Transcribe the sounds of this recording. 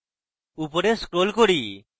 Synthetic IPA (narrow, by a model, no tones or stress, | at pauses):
upɔɾeskɾolkoɽi